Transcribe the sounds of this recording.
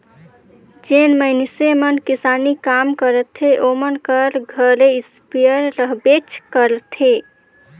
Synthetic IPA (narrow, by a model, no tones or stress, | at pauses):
d͡ʒenməɪnsemənkisanikamkəɾət̪ʰeʔomənkəɾɡʱəɾeispijəɾːəɦbet͡ʃʰkəɾət̪ʰe